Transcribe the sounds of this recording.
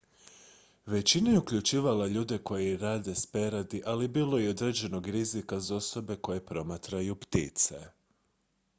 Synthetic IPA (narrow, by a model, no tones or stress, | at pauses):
ʋe̞t͡ɕinajeukʎut͡ʃiːʋalaʎuːd̪e̞ko̞jeɾaːd̪e̞spe̞ɾad̪iʔalibiːlˠo̞eo̞d̪ɾe̞d͡ʑe̞no̞ɡɾizikazo̞so̞be̞ko̞je̞pɾo̞mat̪ɾajupt̪ḭt̪sḛ